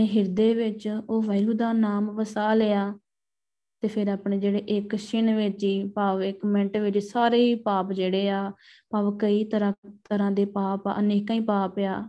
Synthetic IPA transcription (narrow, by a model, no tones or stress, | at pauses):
eːɦɪɾd̪eːʋɪt͡ʃoːʋaːɪɾuːd̪aːnaːmʋəsaːleːaː | t̪eːpʰɪɾaːpɳeːd͡ʒeːɽeːʔɪkʃɪnʋɪt͡ʃiːpaːʋɪkmɛ̃ɳʈʋɪt͡ʃsaːɾeːiːpaːpd͡ʒeːɽeːaːpaːʋkəiːt̪əɾãːt̪əɾãːd̪eːpaːpaːʔəneːkãːĩːpaːpaː